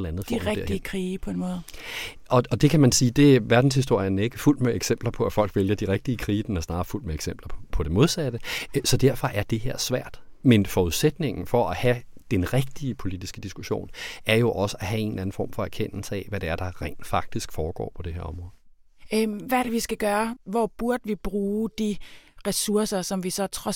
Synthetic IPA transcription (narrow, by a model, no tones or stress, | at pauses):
l̩ˠænð̩ˠfiɛɡɐ̰dəkʰʁiːpʰɔ̽enmɔ̽ːð̩ˠ | ʔɒ̽ɒ̽d̥e̝kʰæmænsiːd̥e̝æʋæɐd̥n̩s̬his̬d̥o̝ɐ̰jənæe̝ɡ̥əful̰d̥meeɡ̥sem̰b̥lɐpʰɒ̽æfɒ̽l̰ɡ̥ʋeljɐd̥iʁeɡ̥̚d̥iəkʰʁiːd̥enæɐsnɑ̈ːful̰d̥meeɡ̥semb̥lɐpʰɒ̽d̥e̝mo̝ð̞ˠsæd̥əsɒ̽d̥æɐfɒ̽ʔæɐd̥e̝heɐ̰sʋæɐ̰d̥menfɒːuðˠsed̥ne̝ŋn̩fɒ̽æhæd̥enʁɛɡ̥̚d̥iəpʰo̝lid̥isɡ̥əd̥isɡ̥uɕo̝̰ːnæɐjo̝ʔɒ̽səæɦæe̝ːnlæn̩fɒ̰ːmfɒ̽æɐkʰen̰l̩səɛʋæɾe̝æɐd̥ɑ̈ʁɛ̰ɪnd̥fɑ̈ɡ̥̚d̥isɡ̥fɒːɡ̥ɒ̰ːpʰɒ̽d̥e̝ɦeɐ̰ɒ̽mʁɔ̽ːð̩ˠ | ʋæɐɾeʋisɡ̥æɡ̥ɶːɐʋɒb̥uɐd̥əʋib̥ʁuːd̥iʁɛsuɐ̰sɐsɒ̽mʋisɒ̽t͡sʰʁɒ̽